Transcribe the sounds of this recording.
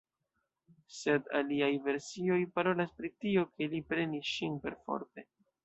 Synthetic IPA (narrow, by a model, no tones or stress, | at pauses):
se̞da̰liajve̞ɾsio̞jpaɾo̞laspɾitio̞ke̞lipɾe̞nisʃinpe̞̰ɾfo̞̰ɾte̞